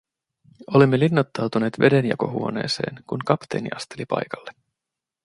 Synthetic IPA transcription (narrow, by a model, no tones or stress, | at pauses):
olimːelinːɑt̪ːɑwt̪une̞ːt̪ʋe̞de̞njɑ̰ko̞ɦṵo̞ne̞̰ːse̞̰ːnkuŋkɑpt̪eːnḭʔɑst̪e̞lipɑ̰jkɑlːe